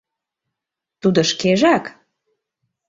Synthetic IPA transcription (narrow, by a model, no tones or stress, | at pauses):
t̪ud̪ŏʃkeʒæk